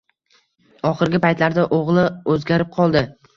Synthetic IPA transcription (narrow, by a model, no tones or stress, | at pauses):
ɒχɨɾɡʲɪpajt̪laɾd̪aʔoʁlˠɪɵzɡʲaɾɪp̚qʰɒlˠd̪ɪ